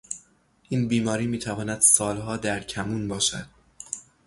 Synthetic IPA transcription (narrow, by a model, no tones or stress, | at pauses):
ʔiːnbiːmɒːɾiːmiːt̪ʰævɒːnæd̪̥sɒːlɦɒːd̪æɾcʰæmuːnbɒːʃæ̰d̪̥